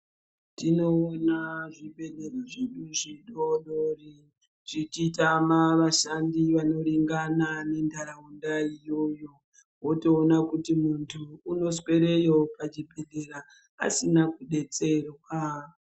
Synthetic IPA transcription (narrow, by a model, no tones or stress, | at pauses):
tino̞ːnaʐibʱe̞ɗeɾaʐeɗuʐiɗoɗori | ʐit͡ʃitamaʋaʃandiʋano̞ɾiŋɡanane̞ndʱaɾaundaijo̞jo̞ | wo̞to̞ːnakutimuntʰuːno̞swe̞ɾe̞jopat͡ʃibʱe̞ɗe̞ɾa | a̰sinakuɗe̞t͡se̞rwa